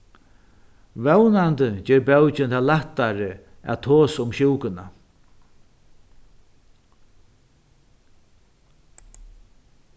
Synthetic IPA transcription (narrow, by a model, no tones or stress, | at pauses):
vɛwnant̪ət͡ʃɛːɾbɛwt͡ʃɪnt̪ʰaːlaht̪ːaɾə | æ̰t̪ʰoːsʊmɕɪwkɪna